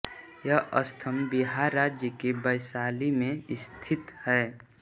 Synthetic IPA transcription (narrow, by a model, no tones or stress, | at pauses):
jəʔəst̪ʰəmbiɦaɾaːd͡ʒjəkebəjsaːlimẽɪst̪ʰɪt̪hɛː